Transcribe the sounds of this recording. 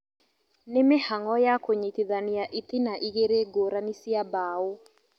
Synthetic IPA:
nemehaŋɔjakoɲitiðaniaʔit̪inaʔiɣeɾeɡoɾanisiabaːo

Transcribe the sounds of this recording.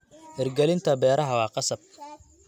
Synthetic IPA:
ʔɪrɡɛlɪnt̪ʰɐbɛːɾɐɦɐwɑːqɑsɐb̚

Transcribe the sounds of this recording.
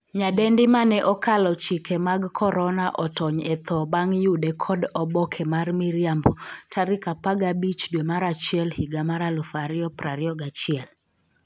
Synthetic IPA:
ɲadɛndɪmanɛʔɔkalɔt͡ʃikemaɡkʰɔɾɔnaʔɔtɔɲɛt̪ɔbaŋjudɛkʰɔdɔbɔkʰɛmarmiɾjambɔtʰaɾikapaɡabit͡ʃdwemaɾat͡ʃɪɛlhiɡamaɾalufaɾɪɔpɾaɾɪɔɡat͡ʃɪɛl

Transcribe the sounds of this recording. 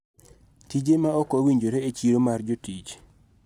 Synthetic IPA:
tid͡ʒemaɔkɔwiɲd͡ʒoɾeet͡ʃiɾomard͡ʒotit͡ʃ

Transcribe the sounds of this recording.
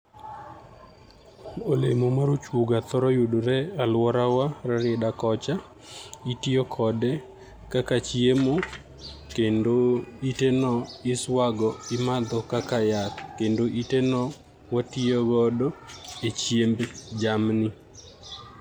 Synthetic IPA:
olemomaɾot͡ʃwuɡat̪ɔɾɔjudoɾɛalwɔɾawaɾaɾɪdakɔt͡ʃa | itiɔkʰɔdɛ | kakat͡ʃjemo | kendoitenɔɪswaɡɔɪmad̪ɔkakajakkendoʔitenɔ | watiɔɡɔdɔet͡ʃjembd͡ʒamnɪ

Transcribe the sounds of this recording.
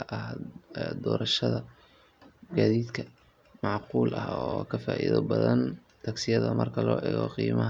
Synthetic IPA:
ʔɐhd̪ɔːɾɐʃɐðɐ | ɡaːðiːd̪kʰɐ | mɑʕquːlʔɐhɔkʰɐfaːʔiðɔbɐðɐn | t̪ʰɐɡsɪjɐðɐmɐrkʰɐlɔːʔɛːɣɔːqiːmɐɦɐ

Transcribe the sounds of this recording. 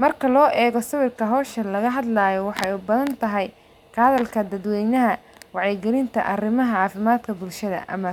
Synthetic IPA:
mɐrkʰɐlɔːʔɛːɣɔsɐβɪrkʰɐɦɔːʃɐlɐɣɐɦɐd̪laːjɔwɑħɑjʊbɐðɐnt̪ʰɐɦɛj | qʰɑːðɐlkʰɐd̪ɐd̪wɛjnɐɦɐwɑʕjɛɡɪlɪnt̪ʰɐ̰ʔɐrɪmɐɦɐʕɑːfɪmaːd̪kʰɐbʊlʃɐðɐ̰ʔɐ̰mɐ

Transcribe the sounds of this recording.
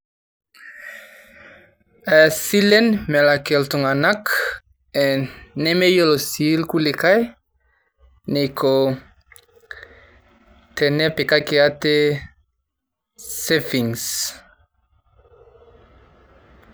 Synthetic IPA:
ɛsilenmɛlakelt̪uŋanak | ɛnemejolosilkulekaj | nekʰo | t̪ʰɛnɛpekakeat̪e | sefiŋs

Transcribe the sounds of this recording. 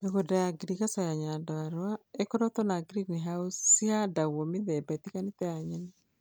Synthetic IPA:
eɡodaɡɾikasɔjaɲadɔaɾwaekɔɾɔt̪ɔnaɡɾinɦausːɪadawomɪðɛbɛt̪ikanɪt̪ɛaɲɛn

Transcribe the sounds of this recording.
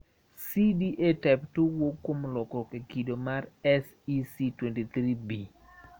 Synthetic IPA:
sidiʔetɛptuwokːwomlɔkɔkekidomarɛs | isitwentit̪ɾibi

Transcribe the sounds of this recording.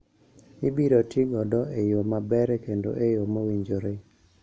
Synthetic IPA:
ibiɾotiɡɔdɔejomabɛɾɛkendo̰ʔejomowiɲd͡ʒoɾe

